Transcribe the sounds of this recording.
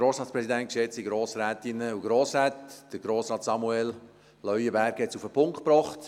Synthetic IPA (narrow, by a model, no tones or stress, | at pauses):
ɡ̥ɾoːsɾɑːtspɾɛsidænt̚kʃɛt͡siɡɾoːsɾæːt̪ɪnəuɡɾoːsɾæːtd̥əɾɡ̥ɾoːsɾɑːtsɑmuɛl | lœʏəbæɾɡhɛtsufəpʰʊŋktpɾɔːχt